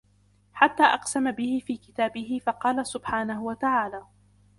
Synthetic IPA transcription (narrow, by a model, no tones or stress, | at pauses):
ħat̪ːaːʔɑqsamabɪhɪfiːkɪt̪aːbɪɦɪfɑqɑːlasʊbħaːnahʊwat̪aʕaːlaː